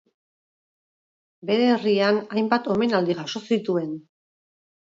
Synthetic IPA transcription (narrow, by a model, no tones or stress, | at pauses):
be̞ɾe̞rianajmbat̪o̞me̞nald̪iʝaʃo̞sit̪ue̞n